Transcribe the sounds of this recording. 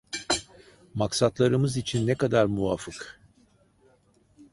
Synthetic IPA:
maksat̪lˠaɾɯmɯzit͡ʃʰinːɛkad̪aɾmuvafɯk

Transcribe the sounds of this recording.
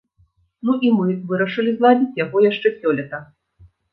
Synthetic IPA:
nuʔimɨvɨɾɐʂɨlʲizlˠad͡zʲit͡sʲjaɣɔjaʂt͡ʂɛsʲɔlʲɛt̪ɐ

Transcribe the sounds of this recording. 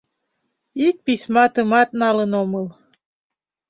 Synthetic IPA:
ik̚pisʲmɑt̪əmɑt̪̚nɑlənoməl

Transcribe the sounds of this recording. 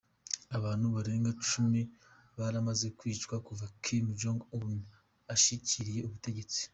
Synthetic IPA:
aβaːn̥huβaɾe̞ːŋɡat͡ʃumi | βaɾamaze̞kwiːt͡ʃkwakuvakʰimd͡ʒoŋɡun | aʃiciɾije̞uβute̞ɟe̞t͡si̥

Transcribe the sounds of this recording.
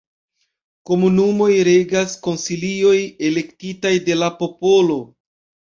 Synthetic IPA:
ko̞munumo̞jɾe̞ɡasko̞nsilio̞je̞le̞ktitajde̞lapo̞po̞lo̞

